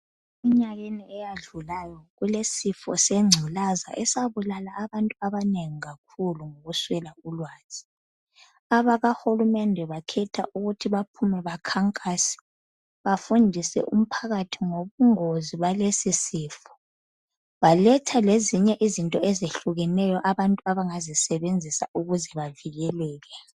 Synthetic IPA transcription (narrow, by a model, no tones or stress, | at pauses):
iɲaɣeniɛjaɮulajɔɣulesifɔ̰seŋ͡ǀʱilaza̰ʔɛsaβulalaʔːβantʼuaβaneŋiɣakʰuluŋoɣuswɛlaulwaːz̥ʰʱi̥ | aβaɣaxulumɛndʱɛβakʰɛtʰa̰ʔuɣutʰiβapʰumɛβakʰaŋkʼaːsɛ̥ | βafundʱisɛ̰ʔum̩pʰaɣatʰiŋoβuŋoziβalesisiːfu̥ | βalɛtʰaleziɲɛʔizintʼɔezeɬuɣɛnɛjɔʔaβantʼuaβaŋazisɛβend͡zʱisa̰uɣuzɛβaviɣɛlɛːɣɛ